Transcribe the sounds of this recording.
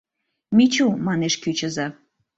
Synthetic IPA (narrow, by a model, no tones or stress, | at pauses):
mit͡ɕumɑneʃkyt͡ɕə̆zɑ